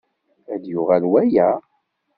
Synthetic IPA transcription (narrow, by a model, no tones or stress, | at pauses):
æd̪jʊʁælwæjæ